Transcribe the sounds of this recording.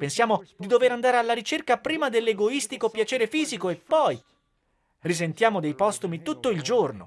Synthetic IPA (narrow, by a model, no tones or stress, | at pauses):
pensjaːmod̪id̪oveɾand̪aːɾealːaɾit͡ʃerkapɾiːmad̪elːeɡoist̪ikopjat͡ʃɛːɾefiːzikoepːɔj | risent̪jaːmod̪ejpɔst̪umit̪ut̪ːoild͡ʒorno̰